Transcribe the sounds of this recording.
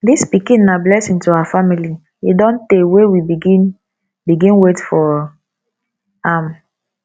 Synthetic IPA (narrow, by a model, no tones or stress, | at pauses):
dispikĩnːablɛsĩntuawafamili | idɔ̃ntewewibiɡin | biɡĩnwetfɔ | am